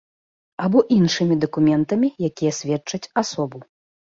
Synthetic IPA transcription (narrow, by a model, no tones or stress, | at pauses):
abɔʔinʂɨmʲid̪ɐkumʲɛnt̪ɐmʲijakʲijɐsʲvʲɛt͡ʂɐt͡sʲasɔbu